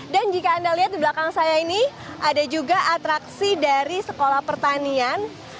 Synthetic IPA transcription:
dand͡ʒikaːndaliɦat̪̚diblakaŋsajainiʔadad͡ʒuɡaʔat̪ɾaksidaɾisəkolahpərt̪anian

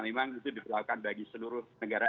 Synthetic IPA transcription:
memaŋit̪udipəlakukanbaɡisəluɾʊhnəɡaɾa

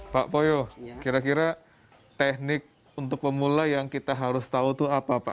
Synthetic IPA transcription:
paʔpojokiɾakiɾa | t̪ɛhnɪk̚ | unt̪ʊk̚pəmulajaŋkit̪aɦaɾʊst̪aut̪uapapa̰

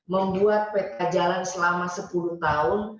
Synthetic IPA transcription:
məmbuat̪̚pet̪ad͡ʒalansəlamasəpuluht̪aʊn

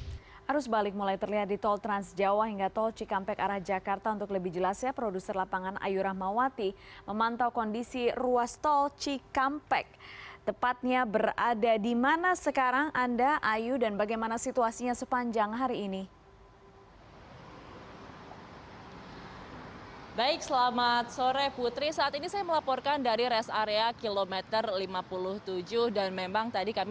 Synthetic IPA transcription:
haɾʊsbalɪk̚mulajt̪ərliɦat̪̚dit̪ɔlt̪ɾansd͡ʒawaɦiŋɡat̪ɔlt͡ʃikampɛkaɾahd͡ʒakart̪aunt̪ʊkləbɪhd͡ʒəlasjapɾodusərlapaŋanʔa̰juɾahmawat̪iməmant̪awkɔndisiruast̪ɔlt͡ʃikampɛk̚t̪əpat̪̚ɲabəɾadadimanasəkaɾaŋʔandaʔajudanbaɡajmanasit̪uasiɲasəpaɲd͡ʒaŋɦaɾiːni | baɪksəlamat̪̚soɾeput̪ɾisaːt̪inisajaməlapɔrkandaɾiɾɛsaɾeakilomɛt̪ərlimapulʊht̪ud͡ʒʊhdanmembaŋt̪adikam

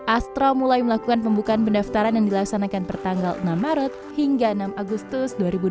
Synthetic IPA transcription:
ʔast̪ɾɔmulajməlakukanpəmbukaːnpəndaft̪aɾanjaŋdilaksanakanpərt̪aŋɡalnamaɾət̪̚hiŋɡaənamaɡust̪ʊsduaɾibud

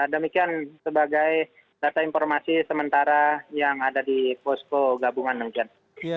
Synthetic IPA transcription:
dəmikiansəbaɡaj | dat̪ainfɔrmasisəmənt̪aɾajaŋadadipɔskoɡabuŋandəmikian

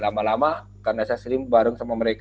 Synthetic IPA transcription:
lamalama | karnasasɾimbaɾʊŋsamaməɾek

